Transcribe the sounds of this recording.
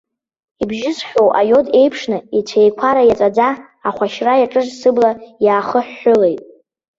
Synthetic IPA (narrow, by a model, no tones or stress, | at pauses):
ibʒɪzχʲᶣo̞wʔa̰jo̞de̞jpʰʂnɨit͡sʷʰejkʷʰaɾajat͡sʼad͡zaː | χʷaʃrajaʈ͡ʂʼɨʐsɨblajaːχəħːʊle̞jtʼ